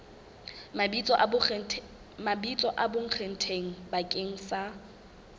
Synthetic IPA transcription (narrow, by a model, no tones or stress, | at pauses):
mabit͡sʼɔ | mabit͡sʼɔʔaboŋ̩χʰen̩tʰeŋ̩bakʼeŋ̩sa